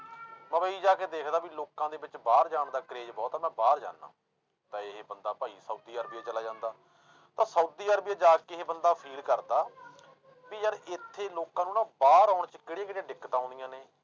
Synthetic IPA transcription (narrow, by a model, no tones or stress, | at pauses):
mə̃ːbəiːd͡ʒaːkeːd̪eːkʰd̪aːʋiːloːkãːd̪eːbɪt͡ʃbaːɾd͡ʒaːɳd̪aːkəɾeːd͡ʒbɔːt̪amɛ̃ːbaːɾd͡ʒa̰ːnːa̰ː | t̪ãːɪɦeːbənd̪aːpaːiːsəːd̪iːəːɾbijaːt͡ʃəlaːd͡ʒãːnd̪aː | t̪ãːsəːd̪iːəːɾbijaːd͡ʒaːkeɦeːbənd̪aːpʰiːlkəɾd̪aː | biːjəɾɪt̪ʰːeːloːkãːnũːnãːbaːɾaːɳt͡ʃkɪɽeːkɪɽẽːɖɪkːət̪ãːnd̪ijãːneː